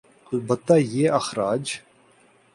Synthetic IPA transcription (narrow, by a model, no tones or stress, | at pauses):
ɐlbət̪ːaːjeːɐxɾaːd͡ʒ